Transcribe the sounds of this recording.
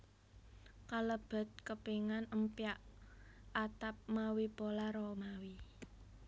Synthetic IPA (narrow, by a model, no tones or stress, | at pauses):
kaləb̥a̤t̪̚kəpeŋanəmpiaʔ | at̪ap̚mawipolaɾɔmawi